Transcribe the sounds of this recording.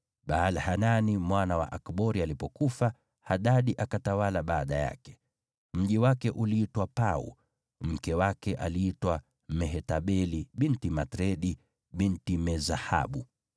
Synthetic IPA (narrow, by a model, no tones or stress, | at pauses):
ɓaːlhananimwanawa̰ʔakɓɔɾialipɔkufa | haɗaɗiʔakatawalaɓaːɗaja̰kɛ̥ | m̩ʄiwakɛʔuliitwapaṵ | m̩kɛwakɛʔaliitwa | mɛɦɛtaɓɛliɓintimatɾɛɗi | ɓintimɛzaha̰ɓu